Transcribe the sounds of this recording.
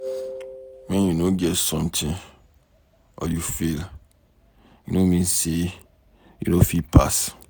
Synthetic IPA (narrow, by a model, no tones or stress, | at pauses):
mɛ̃njunõɡɛtsɔ̃mtʰɪ̃n | ɔ̰ljufil | junõmĩnse | jṵnõfipʰas